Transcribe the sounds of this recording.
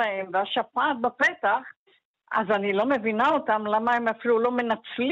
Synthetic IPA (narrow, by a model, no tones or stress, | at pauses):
aemveaʃafat̪̚bapet̪aχ | a̰zanilo̞me̞vinaot̪amlamaemafilulo̞me̞nat͡sl